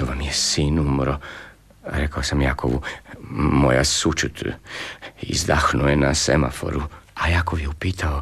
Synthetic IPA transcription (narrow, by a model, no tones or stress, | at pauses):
oʋamjesiːnumɾo | ɾekaosamjakoʋu | mo̞jasut͡ʃut̪ʰ | ḭzd̪axnujenasḛma̰fo̞̰ɾuajakoʋjeupiːt̪ʰao